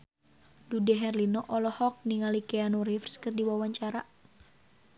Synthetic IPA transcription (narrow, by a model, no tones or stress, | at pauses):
dudɛɦɛrlinɔʔɔlɔhɔk̚niŋalikɛanuɾifrskɨrdiwawaɲt͡ʃaɾa